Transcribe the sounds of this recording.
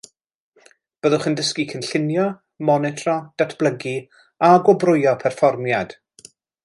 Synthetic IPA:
b̥əðʊχəndəskikʰənɬɪnjɔ | mɔnɛtʰrɔd̥atʰb̥lˠəɡi | aɡɔbrʊjɔpʰɛrfɔrmjad̥

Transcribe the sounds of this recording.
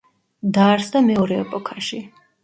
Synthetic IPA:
d̪aɾsd̪amɛɔɾɛɛ̰pʼɔkʰaʃi

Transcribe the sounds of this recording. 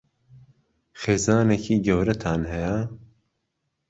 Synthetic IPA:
xeːzɑːnekʰiːɡɛwɾɛt̪ʰaːnhɛja

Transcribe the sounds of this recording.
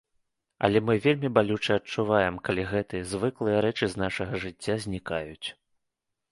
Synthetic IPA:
ɐ̰lʲɛmɨvʲelʲmʲibalʲut͡ʂɐɐt͡ʂːuvajɛmkalʲiɣɛt̪ɨjɐzvɨklˠɨjɐɾɛt͡ʂɨznaʂɐɣɐʐɨt͡sʲːazʲnʲikajut͡sʲ

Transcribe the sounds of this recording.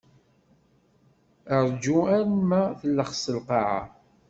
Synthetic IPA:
əɾˤd͡ʒuæɾmæθəlːəχsəlqɑʕa̰

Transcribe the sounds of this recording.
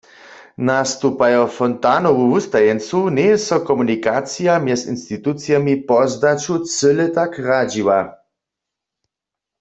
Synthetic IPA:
nast̪upajɔfɔnt̪anɔwuust̪ajɛnt͡sunɛsɔkɔmunikat͡sijamjɛsinst̪it̪ut̪t͡s̪jamipɔzd̪at͡ʃut͡sɘlɛt̪akrad͡ʒiwa

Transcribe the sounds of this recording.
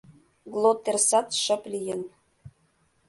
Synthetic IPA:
ɡlˠot̪ːersɑt̪ʃɤ̆plʲijə̆n

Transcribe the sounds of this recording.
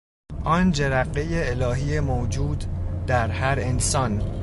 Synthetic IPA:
ʔɒːnd͡ʒeɾæɢːe̞jeelɒːɦiːemoːd͡ʒuːd̪d̪æɾhæɾensɒːn

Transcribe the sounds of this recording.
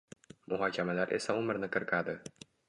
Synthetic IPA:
mʊɦɑkʲʰamalaɾʔe̞̰saʊmɪɾnɪkʰɨɾkʰad̪ɪ

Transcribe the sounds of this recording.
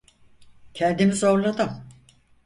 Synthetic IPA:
cʰɛnd̪imizo̞ɾlˠad̪ɯm

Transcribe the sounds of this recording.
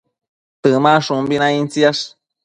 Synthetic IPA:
t̪ɨmãʂumbinãint͡siaʂ

